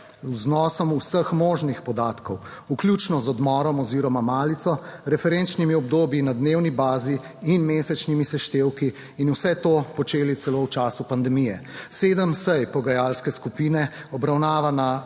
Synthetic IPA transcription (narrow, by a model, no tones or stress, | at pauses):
uznɔːsɔmusəxmoːʒnixpɔd̪aːt̪kɔwukljut͡ʃnɔzɔd̪mɔɾɔmɔziːɾɔmamaːlit̪sɔɾɛfɛɾent͡ʃnimiɔb̚d̪oːbjinad̪newnibaːziː | nmeːsɛt͡ʃnimisɛʃt̪eːwkiː | nusɛt̪oːpɔt͡ʃeːlit̪sɛlowt͡ʃaːsupand̪ɛmijɛseːd̪əmsəjpɔɡajalskɛskupiːnɛ | ɔbɾawnaːʋana